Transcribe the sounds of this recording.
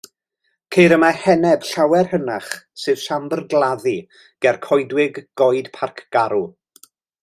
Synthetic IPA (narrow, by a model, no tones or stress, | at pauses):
kʰejɾəmahɛnɛb̥ɬawɛrhənaχsɨv̥ɬambərɡlˠaði | ɡ̥ɛrkʰɔjdwɪɡɡ̥ɔjd̥pʰarkʰɡ̥aɾu